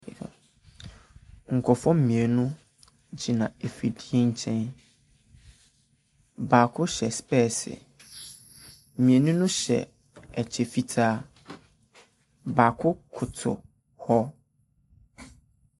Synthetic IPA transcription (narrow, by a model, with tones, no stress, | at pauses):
ŋ̩˨kʰɔ˨fɔ̃˦m̩˦mĩ˨e˨nʊ̃˦ | d͡ʑi˨nã˨e˨fi˨di˦e˦ɲ̩˦t͡ɕʰɛ̃˦n | baː˨kʰʊ˦ɕɛ˨spɛ˦˨sɪ̰˨ | mĩ˨e˨nũ˦nʊ̃˦ɕɛ̰˨ | ɛ˨t͡ɕʰɛ˨fi˦tʰaː˦ | ba˨kʰʊ˦kʰʊ˨tʰʊ̰˨ | hɔ˦